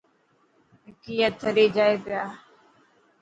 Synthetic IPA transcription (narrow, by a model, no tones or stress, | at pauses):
ɪkiːjət̪ʰːəɾeːd͡ʒaːeːpɪjaː